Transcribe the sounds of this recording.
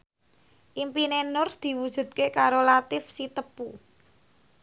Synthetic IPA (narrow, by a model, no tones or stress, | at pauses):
ʔimpinenʊrsd̪̥i̤wud̥ʒ̥ṳt̪̚kekaɾolat̪ɪfsit̪əpu